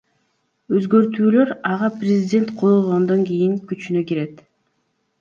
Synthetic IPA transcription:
øzɡø̞ɾt̪yːlø̞ɾɑʁɑprʲɪzʲɪdʲe̞nt̪qʰojolˠʁond̪oŋɡijiŋkyt͡ʃynøkiɾe̞t̪

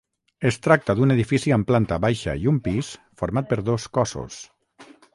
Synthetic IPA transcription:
est̪ɾak̚t̪əðuneðifisiəmplant̪aβajʃa̰iumpisfoɾmat̪̚pəɾðoskɔso̰s

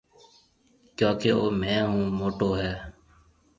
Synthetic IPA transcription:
kjãːkeːoːmɛ̃ːɦũːmoːʈoːɦɛː

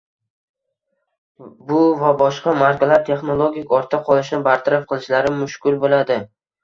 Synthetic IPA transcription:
bʊvabɒʃqɑmaɾkʲalaɾt̪ʰe̞χno̞lˠoɡʲɪkʲɒɾt̪ʰaqʰɒlˠɪʃnɪbaɾt̪ʰaɾafqʰɨlˠɪʃlaɾɪmʊʃkʲʊlˠbolad̪ɪ

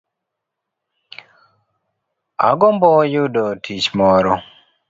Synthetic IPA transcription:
a̰ɡɔmbɔjudɔtʰit͡ʃmɔɾɔ

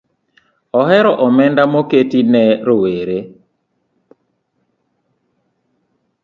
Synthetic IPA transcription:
ɔɦɛɾɔʔɔmɛndamoketinɛɾoweɾe

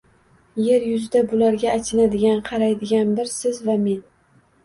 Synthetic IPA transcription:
je̞ɾjʊzɪd̪abʊlaɾɡʲaːt͡ʃʰɪnad̪ɪɡʲanqʰɑɾajd̪ɪɡʲanbɪɾsɪzvame̞n

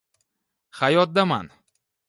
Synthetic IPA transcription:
hajɒt̪̚d̪ama̰n

